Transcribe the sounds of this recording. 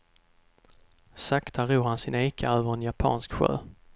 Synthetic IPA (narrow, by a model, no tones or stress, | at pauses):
sakt̪ʰaʁuːʁhansɪneːkʰa̰øːvəʁɛnjapʰɑ̰ːnskɧø̰ː